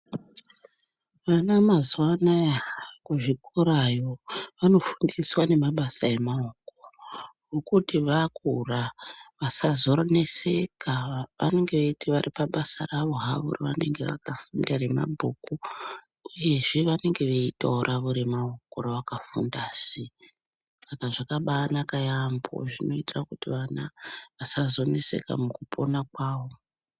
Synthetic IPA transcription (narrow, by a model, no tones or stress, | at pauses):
ʋanamazwanajakuʐikoɾajo̞ʋano̞fundiswane̞maɓasae̞maokowokutiʋakuraʋasazoɾane̞sekʰaʋa̰ne̞ŋɡe̞ʋeitiʋaripaɓasaraʋo̞ɦaʋṵriʋane̞ŋɡe̞̰ʋa̰kafundarema̰bʱuːku | uje̞ʐiʋane̞ŋɡe̞ʋeitaɾʔaʋuɾimaokoɾoʋakafundaːsi | sakaʐakaɓanakajambo̰ʐino̞itirakutiʋanaʋasazo̞ne̞se̞̰ka̰mukupʰo̞nakwaːʋo̞